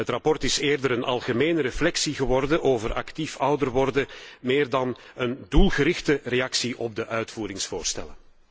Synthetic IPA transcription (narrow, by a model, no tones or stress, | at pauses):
ətrɑpɔrtɪseːrdəɾənʔɑ̰lˠɣəmeːnəɾəflɛksiɣəʋɔrdənʔoːvərʔɑ̰ktifʌwdərʋɔrdəmeːrdɑnəndulˠɣəɾɪxtərejɑksiʔɔb̚dəʔœɥtfuːɾɪŋsfoːrstɛ̰lən